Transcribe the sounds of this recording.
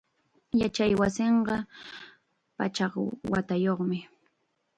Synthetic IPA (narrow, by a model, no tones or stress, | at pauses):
jat͡ʃajwasɪɴɢɑ | pat͡ʃɑχwa̰t̪ajoχmɪ